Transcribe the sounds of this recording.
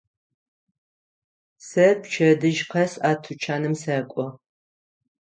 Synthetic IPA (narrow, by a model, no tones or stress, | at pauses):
sɐpt͡ʃʰɐdɨʒqʰɐsaːtʰut͡ʃʰaːnɨmsɐkʷʼɔ